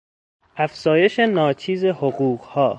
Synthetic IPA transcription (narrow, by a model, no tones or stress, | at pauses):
ʔæfz̥ɒːje̞ʃenɒːt͡ʃʰiːze̞hoɣuːɢhɒː